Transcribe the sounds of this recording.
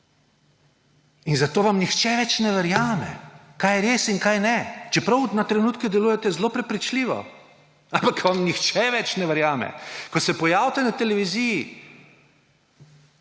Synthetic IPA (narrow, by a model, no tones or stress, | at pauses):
inzat̪oːʋamnixt͡ʃɛʋɛt͡ʃnɛʋɛɾjaːmɛ̰kaːjɛɾeːsinkajnɛt͡ʃɛpɾɐwnat̪ɾɛnuːt̪kɛd̪ɛluːjɛt̪ɛzloːpɾɛpɾit͡ʃliʋɔ̰ | ampakʋamnixt͡ʃɛʋɛt͡ʃnɛʋɛɾjaːmɛ̰kɔsɛpɔjaːwt̪ɛnat̪ɛlɛʋiziji